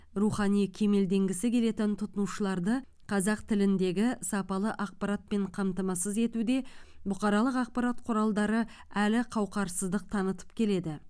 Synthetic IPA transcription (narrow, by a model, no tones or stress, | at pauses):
ruχɑnijkʲʰe̞me̞ld̪e̞ŋɡʲɪsɪkʲʰe̞le̞t̪ɪnt̪ʰʊt̪ənuʃəlˠɑɾd̪ə | qʰɑzɑqt̪ʰɪlɪnd̪e̞ɡʲɪsɑpɑlˠəʔɑq̚pɑɾat̪̚pe̞ɴqʰɑmt̪ɑmɑsəze̞t̪ud̪e̞bʊqɑɾɑlˠəqɑq̚pɑɾat̪qʰʊɾɑlˠd̪ɑɾə | ælɪqʰɑwqɑɾsəzd̪əq̚t̪ʰɑnət̪ə̥p̚kʲʰe̞le̞d̪ɪ